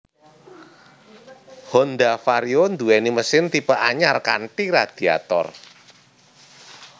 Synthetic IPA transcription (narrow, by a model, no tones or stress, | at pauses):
hɔnd̪afaɾiond̪uɛniməsɪnt̪ipəʔaɲarkanʈiɾad̪̥i̤a̰t̪ɔ̰r